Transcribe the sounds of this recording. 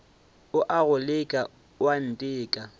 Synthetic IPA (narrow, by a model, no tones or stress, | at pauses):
ʊʔaɣʊlɪkʼa | wan̩tʼɪːkʼa